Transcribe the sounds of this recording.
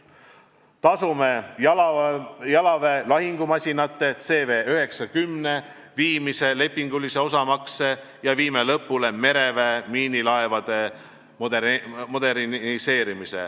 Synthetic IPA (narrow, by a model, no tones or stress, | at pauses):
t̪ɑsume̞ | jɑlɑve̞lɑɦiŋɡ̥umɑsʲinɑt̪ˑːe̞t̪se̞ːve̞ːøɦe̞ksɑkymne̞ | viːmise̞le̞pːiŋɡ̥ulise̞o̞sɑmɑkse̞ | jɑviːmelɤ̞pːˑule̞me̞ɾe̞vemiːnilɑevɑd̪̥e̞ | mo̞d̪e̞ɾnise̞ːɾimise̞̰